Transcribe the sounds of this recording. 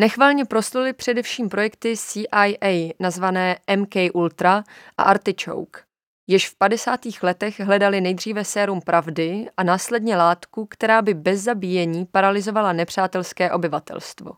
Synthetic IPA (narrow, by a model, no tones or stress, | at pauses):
nɛxvaːlɲɛpɾo̞slulɪpr̝̥ɛdɛfʃiːmpɾo̞jɛk̚t̪ɪsiːʔajʔɛjnazvanɛːʔɛmkɛjʔult̪ɾaʔa̰ʔaɾt̪ɪt͡ʃo̰wk | jɪʃfpadɛsaːt̪iːxlɛt̪ɛɣɦlɛdalɪnɛjd̪r̝iːvɛsɛːɾumpɾʔavdɪʔanaːslɛdɲɛlaːt̪kukt̪ɛɾaːbɪbɛzːabijɛɲiːpaɾalɪzo̞valanɛpr̝̥aːt̪ɛlskɛːʔo̞bɪvat̪ɛ̰lst̪vo̞̰